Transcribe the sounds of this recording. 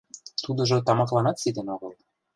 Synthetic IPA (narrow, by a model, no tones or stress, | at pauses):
t̪ud̪ɤ̆ʒŏt̪ɑmɑklɑnɑt̪sid̪ĕnoɣɤl